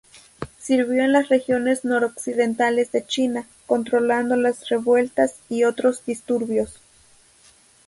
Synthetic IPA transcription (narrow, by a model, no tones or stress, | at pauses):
siɾβjoenlasrexjonesnoɾoksiðent̪alesðet͡ʃina | kont̪ɾoland̪olasreβwe̞lt̪asiot̪ɾozd̪ist̪uɾβjos